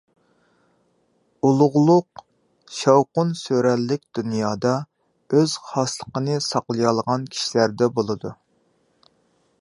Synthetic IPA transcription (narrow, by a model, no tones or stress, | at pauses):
ulˠʊʁlˠʊq | ʃɑwqʊnsøɾɛlːɪk̚ʲd̪̥unjɑːd̪ɑ | øz̥χɑslˠəqənɨsɑqlˠəjɑlˠʁɑnkʲʰi̥ʃilæɾd̪ɛbolˠɨd̪u